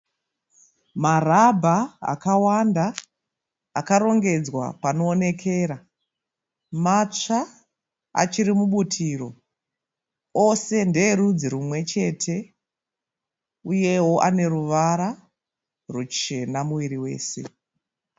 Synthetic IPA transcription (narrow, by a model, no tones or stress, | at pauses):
marabʱaa̰kawandaː | kaɾo̞ŋɡe̞d͡zwa̰pano̞ːne̞kʰe̞ːɾa | mat͡ʂa | a̰t͡ʃiɾimuɓutʰiro̞ | o̞se̞ndeɾud͡ziɾumwe̞t͡ʃe̞ːtʰe̞ | uje̞wo̞ʔane̞ɾuʋaɾa | rut͡ʃe̞namuʋiɾiwe̞̰ːse̞̰